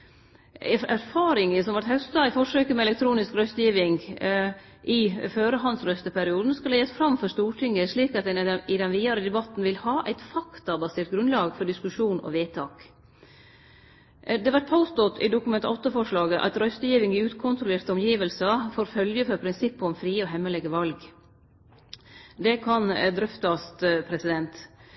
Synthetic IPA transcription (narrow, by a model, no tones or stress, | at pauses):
ɛæɾfɑːɾɪŋəsɔmʋɑɾʈ̪hɛst̪ɑɪfɔʂøːkəmɛɛlɛk̚t̪ʰɾuːnɪskɾœst̪əjiːʋɪŋ | ʔɪføːɾəɦɑnsɾœst̪əpʰæɾɪuːd̪n̩skɑlɛjəsfɾɑmfœʂt̪uːʈʰɪŋːəʂɭiːkɑt̪̚d̪ɛnɪd̪ɛnʋiːɑɾəd̪ɛbɑt̪n̩ʋɪlhɑːʔæ̰ɪt̪fɑkt̪ɑbɑseːɾʈ̪̚ɡɾʉnlɑːɡfɔɖɪskʉʂuːnɔ̰ʋeːt̪ʰɑːk | d̪ɛːʋæʈ̚pʰɑʊst̪ɔt̪ʰɪ̰d̪ʊkʉmɛnt̪ɔt̪ːəfɔʂɭɑːɡəʔɑ̰t̪ɾœst̪əjiːʋɪŋɪʉːt̪kʰʊnt̪ɾʊleːɾt̪əɔmjiːʋəlsɑfoːɾfœljəfɔɾpʰɾɪnsɪpːɔmfɾiːɔɦɛmːəlɛɡəʋɑlɡ | d̪ɛkʰɑnd̪ɾœft̪ɑst̪pʰɾɛsɪd̪ɛnt̪